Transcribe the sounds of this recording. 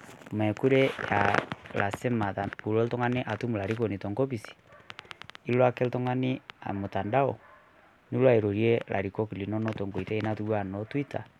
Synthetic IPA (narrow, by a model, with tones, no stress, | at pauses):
mɛ˨ku˦ɾe˦ja̰˨la˨se˦ma˨a˨pu˨lɔ˦ltɔ˦ŋa˦ne˦ʔa˨tu˦mu˨la˨ɾi˦ko˨ni˨tɔ˨ŋɡɔ˦pi˨si̥˨ | i˦lwa˦kɛ˦ltɔ˦ŋa˦ni˦a̰˨mo˨ta˨nda˦ɔ̰˨ | ni˦lwa˦e˨ɾo˨ɾi˦e˦lʔa̰˨ɾi˨kɔ˦ki˨li˨nɔ˦nɔ˦tɔ˨ŋɡo˨i˨tɛ˦i˦na˦tu˦βwa˦˨nɔ˨twi˦ta˨